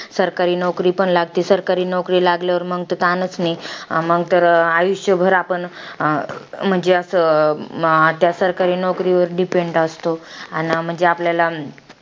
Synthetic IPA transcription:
səɾkaɾiːnɔwkɾiːpəɳlaɡt̪iːsəɾkaɾiːnɔwkɾiːlaɡljaʋəɾməɡt̪ət̪anət͡sniməɡt̪əɾajuɕjəbʱəɾapəɳ | m̤əɳd͡zeəsə | t̪jasəɾkaɾiːnɔwkɾiʋəɾɖipeɳɖast̪oanm̤əɳd͡zeapljala

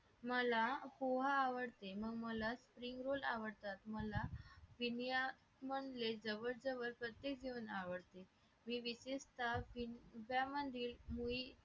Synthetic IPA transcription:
məlapoɦaːʋəɽt̪eməɡməlaspɾiŋɡɾolaʋəɽt̪at̪məlaʋinja | məɳled͡zəʋəɾd͡zəʋəɾpɾət̪jek̚ɡʱeənaʋəɽt̪e | miːʋisest̪afiʋjamənd̪ʱiːlmui

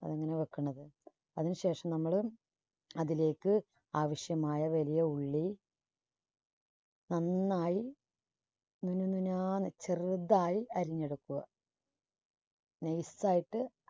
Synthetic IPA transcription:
ɐ̰ðeŋːɐne̞ʋɐkːuɳːɐðɨ | ɐðinɨɕe̞ːʂɐmnɐmːɐɭɨ | ɐðile̞ːkːɨ | aːʋɐɕjɐmaːjɐʋɐlijɐuɭːi | nɐnːaːji | nunununaːnɨt͡ɕerd̪ːaːjiɐɾiɲːeɽukːuɣɐ̰ | nejsaːjiʈːɨ

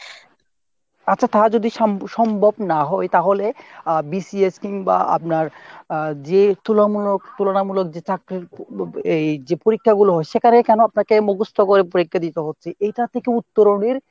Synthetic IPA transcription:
atːɕʰat̪ad͡ʑod̪iʃʃɔmbʱobnaɦɔet̪aɦolebisieskiŋba̰a̰p̚naɾ | d͡ʑet̪ulamulokt̪ulonamulok̚d͡ʑet͡ɕakɾiɾed͡ʑepoɾikʰːaɡuloɦɔeʃekʰanekɛnoapnaɾkemoɡust̪ʰokoɾepoɾikʰːad̪it̪oɦotːɕʰeʔejʈaɾt̪ʰekeut̪ːoɾoniɾ

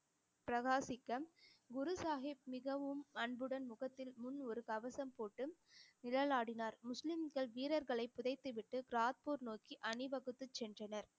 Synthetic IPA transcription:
pɾɐɣaːsɪkːɐmɡʊɾɯsaːɦɪp̚mɪɣɐʋɯmɐɳbɯɽɐnmʊɣɐt̪ːɪlmʊnɔɾɯkɐʋɐsɐmpoːʈːɯmnɪlɐlaːɽɪnaɾmʊslɪmɡɐɭʋiːɾɐɾɣɐɭɐɪpːʊðɐɪt̪ːɯʋɪʈːɯɡɾaːt̪̚puːɾnoːkiʔɐnɪʋɐɣɯt̪ːɯt͡ʃːɛndrɐnɐɾ

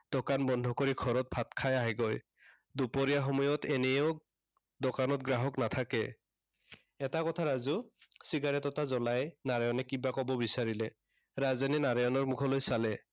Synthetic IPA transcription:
d̥ɔkanbɔndʱɔkoɹikʰɔɹɔt̚bʰʱatkʰajaɦiɡɔj | dupɔɹijaxɔmɔjɔtɛnɛʊ | dɔkanɔtɡɹaɦɔknatʰakɛ | ɛtakɔtʰaɹazusiɡaɹɛtɔtazɔlajnaɹajɔnɛkibakɔbɔbisaɹilɛ | ɹazaninaɹajɔnɔɹmukʰɔlojsalɛ

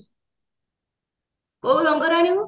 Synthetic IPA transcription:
kowɾɔŋɡɔɾaɽ̃iu

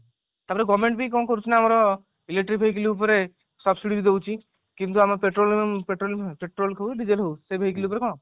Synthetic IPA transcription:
t̪apɔɾeɡɔmẽɳʈbʱikɔ̃kɔɾut͡ʃʰinaamɾɔ | ileʈɾibʱeikiliup̬ɔɾe | sɔbsiɽibʱid̪ewt͡ʃʰi | kint̪̬uamɾɔpeʈɾolpeʈɾolpeʈɾolkʰauɖid͡ʒelɦowsebʱeikiliup̬ɔɾekɔ̃

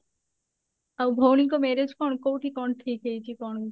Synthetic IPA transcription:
awbʱownikomeɾed͡ʑkɔɳkowʈikɔɳʈʰikejt͡ɕʰikɔn

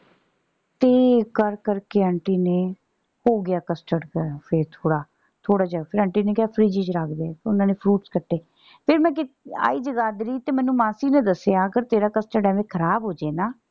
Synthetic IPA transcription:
t̪eːkəɾkəɾkeːəɳʈiːneː | hoːɡɪaːkəsʈəɖkəɾpʰeɾt̪ʰoːɽaː | t̪ʰoːɽaːd͡ʒəɡaːpʰɪɾəɳʈiːneːkɪaːpʰɾiːd͡ʒiːd͡ʒɾaːkʰd̪eɛːtːʊnãːneːpʰɾuːʈskəʈʰːeː | pʰɪɾmɛ̃ːk̬ɪa̰ːiːd͡ʒəɡaːd̪ɾiːt̪eːmɛ̃ːnːũːmãːsiːnẽːd̪əseaːəɡəɾt̪eːɾaːkəsʈəɖɛːʋẽːkʰəɾaːbɦoːd͡ʒeːnaː

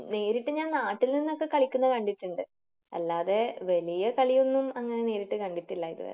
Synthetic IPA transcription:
ne̞ːɾiʈːɨɲaːnnaːʈːilninːo̞kːe̞kɐɭikʲːunːɐkɐɳɖit̪ːuɳɖɨ | ɐ̰lːaːðe̞ʋɐlijɐkɐɭijonːumɐŋːɐnene̞ːɾiʈːɨkɐɳɖit̪ːilːɐiðɨ̰ʋɐ̰lḛ

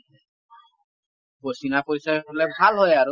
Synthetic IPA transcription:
bosinapoɾisaolɛbʱalɦɔjaɹu

